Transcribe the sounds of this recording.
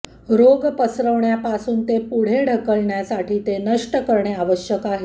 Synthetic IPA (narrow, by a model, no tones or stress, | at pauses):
ɾoɡpəsɾəʋɳjapasuːnt̪epuɽ̤eɽ̤ʱəkəlɳjasaʈiːt̪enəʂʈəkəɾɳeaʋəɕjəkaɦe